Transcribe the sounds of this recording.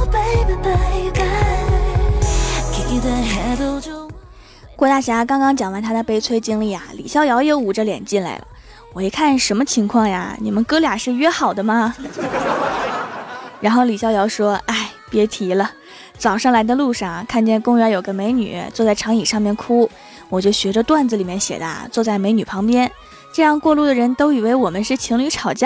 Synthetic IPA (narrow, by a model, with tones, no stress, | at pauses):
pe˧˥ɪd̪ə˧pe˧ta˧ | ki˧˥d̪ə˧ɛ˧˥t̪ | kwɔ˥˧t̪a˥˩ɕja˧˥kɑ˥ŋkɑ˥ŋt͡ɕjɑ˨˩ŋwa˧˥nt̪ʰa˥d̪ə˨pe˥ɪt͡sʰwe˥ɪt͡ɕi˥ŋli˥˩a̰˩lḭ˨˩ɕjɑ˥˩ʊjɑ˧˥ʊje˥˩u˨˩ʈ͡ʂə˦ljɛ̰˨˩nt͡ɕi˥˩nla̰˧˥ɪlə̰˧ | wɔ˨˩i˧˥kʰa˥˩nʂə˧˥nmə˧t͡ɕʰi˧˥ŋkʰwɑ˥˩ŋja̰˩ni˨˩mə˦nkɤ˥lja˨˩ʂɻ̩˥˩˧ɥɛ˥˧xɑ˨˩ʊd̪ə˦mɐ˧ | ɻa˧˥nxo˥˩ʊli˨˩ɕjɑ˥˩ʊjɑ˧˥ʊʂwɔ˥a˥˩ɪpjɛ˧˥t̪ʰi˧˥lə˧ | t͡sɑ˨˩ʊʂɑ˥˩ŋla˧˥ɪd̪ə˧lu˥˧ʂɑ˥˩ŋkʰa˥˧nt͡ɕjɛ˥˩nkʊ˥ŋɥɛ˧˥jo˨˩ʊɡə˦me˧˥ɪny̰˨˩˦t͡swɔ˥˧t͡sa˥˩ʈ͡ʂʰɑ˧˥ŋi˨˩ʂɑ˥˧ŋmjɛ˥˩nkʰu˥ | wɔ˨˩t͡ɕjo˥˩ʊɕɥɛ˧˥ʈ͡ʂə˧t̪wa˥˩nd͡z̩˨˩li˨˩mjɛ˥˩nɕjɛ̰˨˩t̪a̰˧˥t͡swɔ˥˧t͡sa˥˩ɪme˧˥ɪny˨˩pʰɑ˧˥ŋpjɛ˥n | ʈ͡ʂɤ˥˧jɑ˥˧ŋkwɔ˥˧lu˥˩d̪ə˩ɻə˧˥nt̪o˥ʊi˨˩we˥ɪwɔ˨˩mə˦nʂɻ̩˥˩t͡ɕʰi˧˥ŋly˧˥ʈ͡ʂʰɑ˨˩ʊt͡ɕja˥